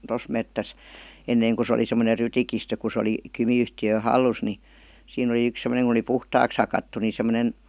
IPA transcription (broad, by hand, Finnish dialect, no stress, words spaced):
tos metːæs enːeiŋ ku se oli semːone rytikistø ku se oli kymiyhtiø hɑlːus ni siːn oli yks semə̆neŋ kŭn oli puhtɑːks hɑkɑtːu ni semˑonen